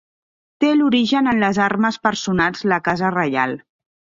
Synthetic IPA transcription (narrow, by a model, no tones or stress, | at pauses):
t̪eluɾiʒənənləzaɾməspəɾsunalˠzləkazərəja̰lˠ